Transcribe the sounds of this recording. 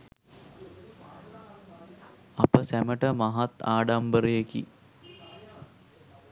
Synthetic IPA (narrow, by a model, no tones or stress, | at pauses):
apəsæməʈəmaɦat̪a̰ːɖambəɾəjekḭ